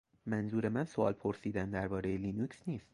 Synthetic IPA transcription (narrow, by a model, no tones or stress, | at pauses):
mænzuːɾe̞mænso̞ʔɒ̰ːlpʰo̞ɾsiːd̪ænd̪æɾbɒːɾe̞jeliːnuːksniːst̪